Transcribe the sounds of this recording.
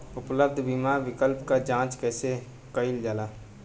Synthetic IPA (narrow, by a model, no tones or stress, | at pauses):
ʊpləb̚d̪ʱbiːmaɾwɪkəlpkad͡ʒãːt͡ʃkɛːse | kəɪld͡ʒaːlaː